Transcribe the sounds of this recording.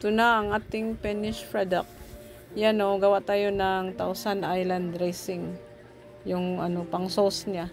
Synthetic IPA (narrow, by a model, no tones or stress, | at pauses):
t̪ʊnaːŋʔaːt̪ɪŋpɛnɪʃpɹad̪ak̚ | janoɡɐwaʔt̪aːjonaŋt̪awsanʔajland̪ɾajsɪŋ | jʊŋɐnopɐŋsosɲa